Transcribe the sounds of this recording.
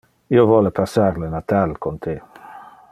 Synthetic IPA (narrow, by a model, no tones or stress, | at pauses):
iovɔlepʰasːarlenat̪alkont̪ʰe